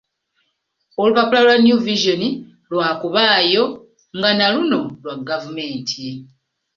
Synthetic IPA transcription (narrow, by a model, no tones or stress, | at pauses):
o̞luβakulalwanjuviʒoni | lwaːkuβaːjo̞ | ŋɡanaluno̞lwaɡavume̞ːntʰi